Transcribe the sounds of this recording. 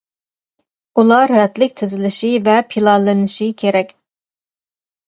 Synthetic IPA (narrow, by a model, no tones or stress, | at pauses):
ulˠɑɾɾɛt̪lɪk̚ʲt̪ʰɪzɪlɪʃivɛpʰilˠɑlˠɨnɨʃikʲʰeɾɛkʲ